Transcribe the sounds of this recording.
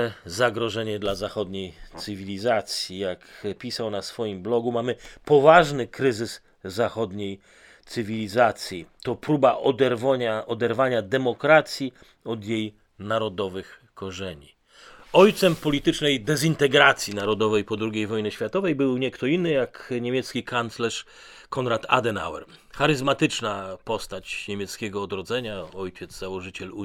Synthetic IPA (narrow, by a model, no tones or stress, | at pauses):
ɛzaɡɾɔʐɛɲɛd̪lazaxɔd̪ɲejt̪sɘvʲilʲizat̪sʲjijakpʲisawnasfɔjimblɔɡumamɘpɔvaʐnɘkɾɘzɘsː | axɔd̪ɲej | t̪sɘvʲilʲizat̪sʲjit̪ɔpɾubaʔɔd̪ɛɾvɔɲaʔɔd̪ɛɾvaɲad̪ɛmɔkɾat̪sʲji | ɔd̪jej | naɾɔd̪ɔvɘx | kɔʐɛɲi | ɔjt̪sɛmpɔlʲit̪ɘt͡ʂnɛjd̪ɛzint̪ɛɡɾat̪sʲjinaɾɔd̪ɔvɛjpɔd̪ɾuɡʲejvɔjnɛɕfʲjat̪ɔvɛjbɘwɲɛkt̪ɔinːɘjakɲemʲjɛt̪skʲikant̪slɛʂ | kʰɔnɾat̪a̰d̪ɛna̰wɛ̰ɾ | xaɾɘzmat̪ɘt͡ʂnapɔst̪at͡ɕɲemʲjɛt̪skʲɛɡɔːd̪ɾɔd̪zɛɲaɔjt͡ɕɛd̪zzawɔʐɘt͡ɕɛlu